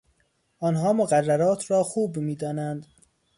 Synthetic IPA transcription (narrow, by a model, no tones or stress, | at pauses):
ʔɒːnɦɒːmoɣærːæɾɒːt̪ʰɾɒːxuːbmiːd̪ɒːnænd̪